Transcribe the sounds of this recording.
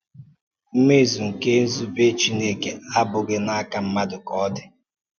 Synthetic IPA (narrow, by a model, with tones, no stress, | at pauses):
m̩˦me˦˨zu˨ŋ̩˨ke˦n̩˦zu˦be˦t͡ʃi˦ne˦ke˨a˦bʊ˨ɡe˦na˦a˦ka˨m̩˦ma˦dʊ˨kɔ˦dɪ˨